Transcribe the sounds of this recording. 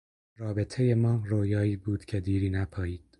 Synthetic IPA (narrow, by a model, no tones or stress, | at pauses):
ɾɒːbe̞t̪ʰe̞jemɒːɾoːjɒːiːbuːd̪̥cʰe̞d̪iːɾiːnæpʰɒːjiːd̪̥